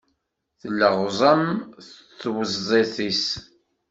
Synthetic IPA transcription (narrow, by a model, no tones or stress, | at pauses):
θəlːəʁzˤəmθt͡sːwəzːˤeθis